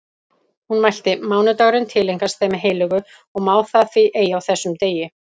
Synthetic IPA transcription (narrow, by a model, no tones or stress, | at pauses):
hunmajl̥t̪ɪmaːwnʏt̪œɣɾɪnt̪ʰɪlːejŋkast̪θejmɪɦeːjlʏɣʏ | ɔɣmaːwθaθviʔeːjaawθɛsːʏmt̪eːjɪ